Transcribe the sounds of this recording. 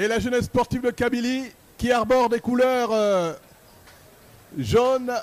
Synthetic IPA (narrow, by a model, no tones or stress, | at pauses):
elaʒənɛsːpɔʁt̪ivd̪əkabili | kʲiaʁbɔʁd̪ekulœʁ | ʒon